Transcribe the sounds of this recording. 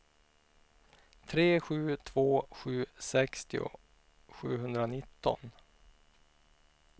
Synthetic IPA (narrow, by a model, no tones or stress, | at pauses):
t̪ʰɾeːɧʉ̟ːt̪ʰv̥oːɧʉ̟ːsɛkst̪ɪʊ̰ | ɧʉ̟ːɦɵnd̪ɾanɪt̪ːɔ̰n